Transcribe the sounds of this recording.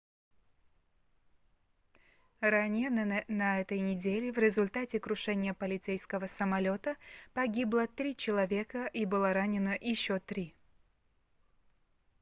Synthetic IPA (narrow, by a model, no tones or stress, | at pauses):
ɾanʲɪjənɐɛt̪əjnʲɪdʲelʲɪvɾʲɪzʊlʲt̪atʲɪkɾʊʂɛnʲɪjəpəlʲɪt̪sɛjskəvəsəmɐlʲo̞t̪əpɐɡʲiblˠət̪ɾʲit͡ɕɪlˠɐvʲe̞kəʔibɨlˠəɾanʲɪnəjɪɕːot̪ɾʲi